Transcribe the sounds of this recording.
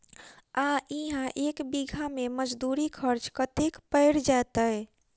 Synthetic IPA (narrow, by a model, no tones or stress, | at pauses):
aʔiɦãʔekbiɡʱameməd͡ʒd̪uɾikʰəɾt͡ʃkət̪ekpəɪɽd͡ʒat̪əj